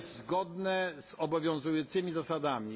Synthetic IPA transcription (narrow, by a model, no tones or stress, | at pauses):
zɡɔd̪nɛz̥ɔbɔvʲjɔ̃w̃zujɔnt̪sɘmʲizasad̪amʲi